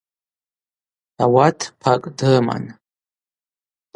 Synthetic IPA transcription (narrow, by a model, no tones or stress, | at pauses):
awatʰpʰakʼdɨma̰n